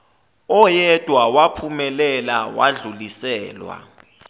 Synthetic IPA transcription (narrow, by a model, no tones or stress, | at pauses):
ɔjɛd̥ʱwawapʰumɛlɛlawa̰ɮulisɛːlwa̰